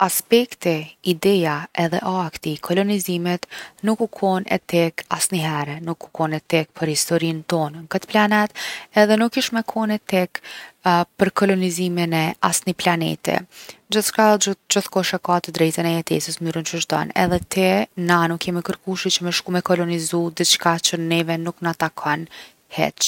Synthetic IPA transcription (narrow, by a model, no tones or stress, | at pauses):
aspɛkt̪ɛid̪ɛjaɛðɛʔakt̪ikʰɔlɔnizimɛt̪nukːukʰɔnɛ̰t̪ɛkasniɦɛɾɛnukʰːukɔnɛt̪ɛk̚pʰəɾhist̪ɔɾint̪ɔnŋkət̪planɛt̪ɛðɛnukːiʃmɛkʰɔnɛt̪ɛk | pəɾkɔlɔniziminɛasniplanɛ̰t̪ɛ̰d͡ʒəθʃkad͡ʒəθkɔʃɛkat̪əd̪ɾɛjt̪ənɛjɛt̪ɛ̰səsmyɾənʃuʃt̪ɔ̰nɛ̰ðɛt̪ʰɛnanukːɛmikəɾkuʃit͡ɕəmɛʃkumɛkɔlɔnizud̪it͡ʃkat͡ʃənɛvɛnuknat̪akʰɔn | hɛ̰t͡ʃ